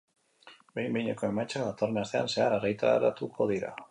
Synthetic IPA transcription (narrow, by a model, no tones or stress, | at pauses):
bejmbeɲekoemat͡ʃaat̪oɾnasθea̰nseaɾarejt̪a̰ɾa̰t̪ukʰoðiɾa̰